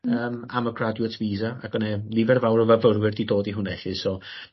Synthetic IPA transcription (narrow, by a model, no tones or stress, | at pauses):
əːmaməɡradjuətʰviːzaa̰ɡ̥ɔnɛlˠivɛrvawɾəvəvəɾwɪrdidoːdiɦʊnɛɬɪsɔ